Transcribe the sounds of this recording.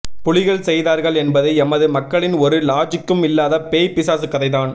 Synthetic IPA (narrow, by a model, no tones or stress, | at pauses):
pʊɭɪɣɐɭsɛjðaːɾɣɐɭɛnbɐðɐɪɛmɐðɯmɐkːɐɭɪnɔɾɯlaːd͡ʒɪkːɯmɪlːaːðɐpeːjpɪsaːsɯkːɐðɐɪðaːn